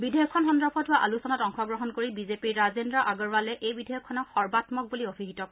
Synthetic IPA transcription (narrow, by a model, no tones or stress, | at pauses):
bidʱejɔkʰːɔnxɔndɔpʰɔtbaʔa̰lusɔnatɔŋxʰɔɡɹɔɦɔnkoɹibizepiɹɹazendɹaʔaɡɔɹbalɛʔejbidʱɛjɔkʰːɔnɔkxɔɹbatmɔk̚buliobʰiɦitɔ